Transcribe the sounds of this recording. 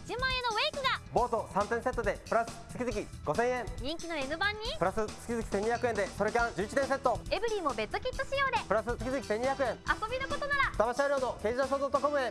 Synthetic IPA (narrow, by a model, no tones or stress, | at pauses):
d͡ʑɨ̃mãɰ̃e̞noe̞ːkɯ̟ɡabo̞ːt̪o̞sãnt̪ẽɰ̃se̞t̪ːo̞d̪e̞pɯ̟ɾasɨ̥t͡sɨ̥kʲizɨkʲi | ɡ̥o̞sẽ̞ɰ̃ẽ̞ŋɲĩŋkʲino̞enɯ̟bãɲ̟ːipɯ̟ɾasɨt͡sɨ̥kʲizɨkʲi̥seɲːiçakɯ̟end̪e̞soɾekãnd͡ʑɨːt͡ɕit̪ẽse̞t̪ːo̞e̞bɯ̟ɾʲiːmo̞be̞t̪ːokʲit̪ːoɕijo̞ːd̪e̞pɯ̟ɾasɨt͡sɨ̥kʲizɨkʲi̥se̞ɲːiçjakɯ̟ẽ̞ŋaso̞bʲinoko̞t̪o̞naɾat̪amaɕaɾʲoːno̞ke̞ːd͡ʑid̪oɕoːd̪o̞t̪ːoko̞mɯ̟e